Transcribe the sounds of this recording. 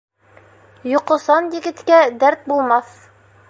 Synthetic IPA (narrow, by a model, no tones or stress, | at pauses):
jŏqŏsɑnjɘ̆ɡɘ̆t̪kæd̪æɾt̪̚bulˠmɑθ